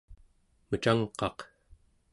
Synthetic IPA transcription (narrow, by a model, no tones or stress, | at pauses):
mət͡ʃaŋqɑq